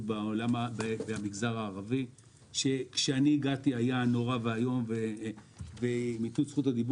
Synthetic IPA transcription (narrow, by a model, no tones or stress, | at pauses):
baolamabbeamiɡzaʁaːʁavi | ʃe̞kʃeaniːɡatiajano̞ʁaveajo̞mve | vemitusχutad̪ib